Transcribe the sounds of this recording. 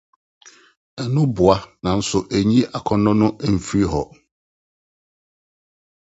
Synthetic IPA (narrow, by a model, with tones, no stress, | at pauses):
ɛ˨nʊ̃˦bʊ˨a˦nã˨n̩˦sʊ˨ʔæ˨ɲĩ˦ʔa˨kʰɔ˦nɔ̃˦nʊ̃˦ʔɛ˦˨m̩˨fi˦ɾi˦ɦɔ˨